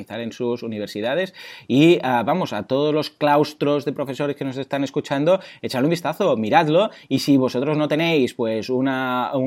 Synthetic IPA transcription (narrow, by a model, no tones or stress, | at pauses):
iθaɾe̞nsusuniβ̞eɾsiðað̞e̞siaβamosa̰t̪oð̞ozlo̞sklawst̪ɾo̞zðe̞pɾofe̞so̞ɾe̞skenose̞st̪ane̞skut͡ʃand̪oet͡ʃanloumbist̪aθo̞miɾad̪lo̞ | isiβo̞so̞t̪ɾo̞znot̪e̞ne̞jspwe̞sunau